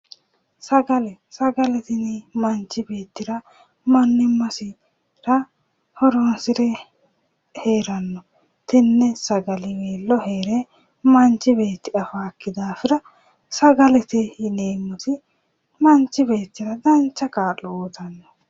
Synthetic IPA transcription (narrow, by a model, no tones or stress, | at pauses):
sɐɡɐlɛ | sɐɡɐlɛt̪ɪnimɐnt͡ʃːɪbe̞ːt̪ːɪɾɐ | mɐnːɪmːɐsɪ | ɾɐ | hɔɾonsɪɾɛ | he̞ːɾɐnːɔ | t̪ɪnːɛsɐɡɐlɪweːlːɔheːɾɛ | mɐnt͡ʃːɪbe̞ːt̪ːɪɐfaːkːɪd̪aːfɪɾɐ | sɐɡɐlɛt̪ɪɪneːmːʊsɪ | mɐnt͡ʃːɪbe̞ːt̪ːɪɾɐd̪ɐnt͡ʃːɐkaːᶑɔoːt̪ɐnːɔ